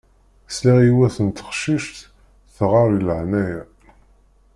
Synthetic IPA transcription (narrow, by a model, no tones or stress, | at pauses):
sliʁiwæθənt̪ə̥χʃiʃt̪ | θʁɑɾˤiləʕnæjæ